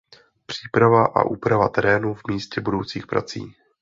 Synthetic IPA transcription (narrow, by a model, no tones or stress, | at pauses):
pr̝̥iːpɾavaʔa̰ʔuːpɾavat̪ɛɾɛːnuvmiːscɛbudowt͡siːxpɾa̰t͡sḭː